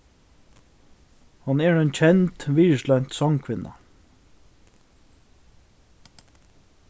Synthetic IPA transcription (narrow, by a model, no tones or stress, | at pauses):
hɑneːɹeːnc͡çʰɛnt̪ʋiːɹʃlœnt̪sɑŋkʰʋɪnɑ̰